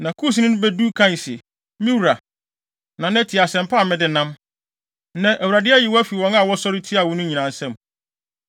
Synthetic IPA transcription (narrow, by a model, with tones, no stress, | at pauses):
nã˨kʰu˦s̬nʊ̃˦nʊ̃˦bɛ˦du˦kʰã˦n˨sɛ̰˨ | mĩ˦wɾa˨ | nã˨n˦æ˦tʰi˨a˨sɛ̃˨m˨pʰa˦˨mɪ̃˦dɪ˦nã˦m˦ | nã˨ʔæ˨wu˨ɾa˨dɪ˦æ˦jɪ˨wɔ˦æ˦fi˨wɔ̃˦na˨wɔ˦sɔ˦ɾɪ˦tʰi˦a˨wɔ̃˦nʊ̃˦ɲĩ˨nã˨n˨sɛ̃˦m